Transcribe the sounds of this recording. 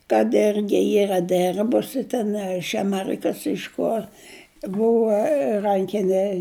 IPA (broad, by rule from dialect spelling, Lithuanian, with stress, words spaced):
kɐt ˈɪrʲɡʲɪ ˈiːrɐ ˈdʲɛrbʊsʲɪ tʲɛn ɐ ɪʃ ɐˈmʲæːrʲɪkɐs ˈɪʃ koːr ˈbuːʋɐ ˈrɐŋʲkʲɪnʲɛ